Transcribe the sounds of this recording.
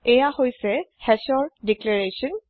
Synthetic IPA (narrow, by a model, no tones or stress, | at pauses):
ɛjahojsɛhɛsɔɹdiklɛɹesɔn